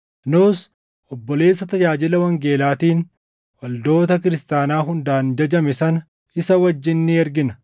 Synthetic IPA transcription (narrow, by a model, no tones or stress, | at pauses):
noːs | ʔɔbːɔle̞ːsːɐt̪ɐd͡ʒaːd͡ʒɪlɐwɐŋɡe̞ːlaːt̪iːn | wɐld̪o̞ːt̪ɐkɪɾɪst̪aːnaːɦʊnd̪aːnd͡ʒɐd͡ʒɐmɪsɐnɐ | ɪsɐwɐd͡ʒːɪnːɪɛɾɡɪnɐ